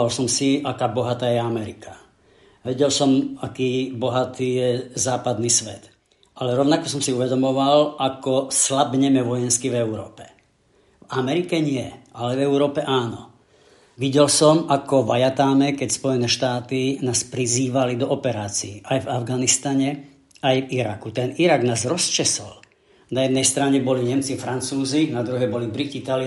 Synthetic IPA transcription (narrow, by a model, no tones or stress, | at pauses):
alsɔmsiʔakaːbɔɦat̪aːjɛamɛɾikʰa | ʋɛɟɛlsɔmakiːbɔɦat̪iːjɛzaːpad̪niːsʋɛ̰t̪ | alɛɾɔʊnakɔsɔmsiuʋɛd̪ɔmɔʋalʔakɔslabɲɛmɛʋɔjɛnskivɛuɾɔ̰ːpɛ̥ | vamɛɾikɛɲɪɛalɛvɛuɾɔːpɛʔaːnɔ | ʋiɟɛlsɔmakɔʋajat̪aːmɛkɛcspɔjɛnɛːʃt̪aːt̪inaːspɾiziːʋalid̪ɔʔɔpɛɾaːt͡sḭiʔajvavɡanist̪aɲɛ | ajviɾa̰kut̪ɛniɾaɡnaːzɾɔst͡ʃɛsɔ̰l | najɛd̪nɛjst̪ɾaɲɛbɔliɲɛmt͡sifɾant͡suːzinad̪ɾuɦɛjbɔlibɾicit̪aːli